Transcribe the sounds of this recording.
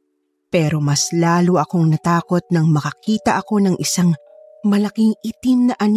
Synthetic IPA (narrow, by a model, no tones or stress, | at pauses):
pɛːɾo̞mɐslaːloʔɐko̞ŋnɐt̪aːko̞t̪̚nɐŋmɐkɐkiːt̪ɐʔɐko̞nɐŋʔɪsaŋ | mɐlɐkiŋʔɪt̪ɪmnɐʔɐn